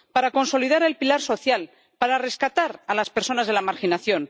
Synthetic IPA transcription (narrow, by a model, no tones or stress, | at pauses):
paɾako̞nso̞lið̞aɾe̞lpilaɾso̞θjal | paɾare̞skat̪aɾalaspe̞ɾso̞nazðelamaɾxinaθjo̞n